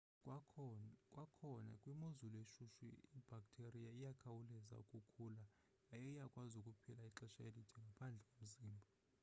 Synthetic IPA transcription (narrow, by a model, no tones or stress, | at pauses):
kʼwakʰɔna̰kʼwimozuleʃuʃwḭib̥ʱak̚ʼtʰerijaijakʰawulɛza̰ukʼukʰuːlaː | jɛijakʼwazukʼupʰilaiǁɛʃaelid̥ʰʱɛŋɡʱapʰand͡ɮʱɛkʼom̩ziːmbʱa